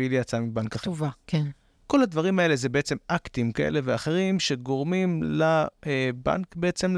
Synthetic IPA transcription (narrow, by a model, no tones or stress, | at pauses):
ilijat͡samibankaχvake | ko̞lad̪vaʁimae̞lezebeet͡se̞mʔakt̪imkaʔḛle̞veaχe̞ʁimʃe̞ɡo̞ʁmimlaeba̰nkbeet͡se̞m